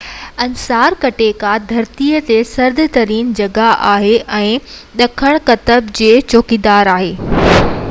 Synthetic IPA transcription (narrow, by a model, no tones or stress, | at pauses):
ɐnsaːɾkɐʈekad̪ʱɐɾt̪iːət̪esɐɾd̪ʱɪt̪ɐɾiːnd͡ʑɐɡaʔaːɦeʔɛ̃ːɗɐkʰəɽ̃kɐt̪əbd͡ʑeːt͡ɕoːkid̪aːɾaːɦeː